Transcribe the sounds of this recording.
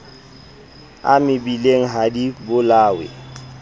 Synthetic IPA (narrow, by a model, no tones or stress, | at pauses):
a̰mɪbileŋ̩ɦadibʊlaːwɪ̰